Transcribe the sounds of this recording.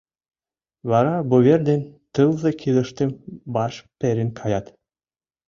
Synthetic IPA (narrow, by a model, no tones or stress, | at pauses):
βɑɾɑbuβerd̪ent̪ɯlˠzɤ̆kʰilɤ̆ʃt̪ĕmbɑʃpʲĕɾʲenkʰɑjɑt̪